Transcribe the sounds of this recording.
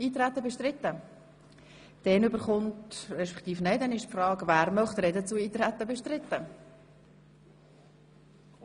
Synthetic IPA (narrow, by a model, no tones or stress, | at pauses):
iːt̪ɾæt̪ːəbeʃtɾɪt̪ːə | d̥ɛnʏbəɾχʊntrɛʃpɛ̥kt̪iːfnɛɪdɛnɪʃfrɑːɡvæːɾmœχt̪rɛdət͡suiːt̪ɾæt̪ːəbɛʃtɾɪt̪ːə